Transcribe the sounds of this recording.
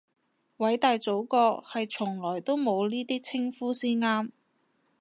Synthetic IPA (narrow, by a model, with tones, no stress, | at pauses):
wɐ˨˥jt̪aː˨jt͡so˨˥wkɔː˧hɐ˨jt͡ʃʰʊ˨˩ŋlɔː˨˩jt̪o˥wmo˨˧wniː˥t̪iː˥t͡sʰɪ˥ŋfuː˥siː˥nŋaː˥m